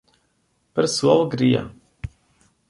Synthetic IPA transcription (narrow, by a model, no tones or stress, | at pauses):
paɾsuɔlˠuɡɾija̰